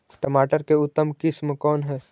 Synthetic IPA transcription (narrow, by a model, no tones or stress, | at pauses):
ʈəmaːʈəɾkeʊt̪ːəmkɪsmkɔːnɦɛː